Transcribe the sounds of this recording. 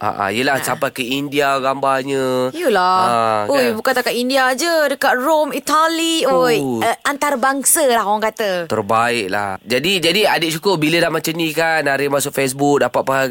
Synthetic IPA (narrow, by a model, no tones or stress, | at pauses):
ʔa̰ʔa̰ijəlahsampajkəindiaɡambahɲə̃jjulaaojbukant̪akaʔindiad͡ʒədəkat̪̚romit̪aliojəʔant̪arbaŋsəlahɦoaŋkat̪ət̪ərbaɪʔ̚la̰hd͡ʒadid͡ʒadiadəʔ̚ʃukʊrbiləlahmat͡ʃamnĩkanːaɾɪmasʊkfes̬buk̚dapat̪̚paɦa